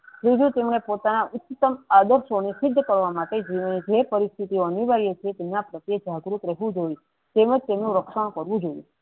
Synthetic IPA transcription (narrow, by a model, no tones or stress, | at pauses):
bid͡ʒũt̪emɳepot̪anaʔʊt̪ːt̪ːəmad̪əɾʃonisɪd̪ʱːkəɾʋamaʈed͡ʒineid͡ʒepəɾist̪ʰit̪ioəniʋaɾijet͡ʃʰet̪emnapɾət̪jed͡ʒaɡɾut̪ɾɛɦʋũd͡ʒoi | t̪eməd͡ʒt̪emnũɾəkʃəɳ̃kəɾʋũd͡ʒojṵ̃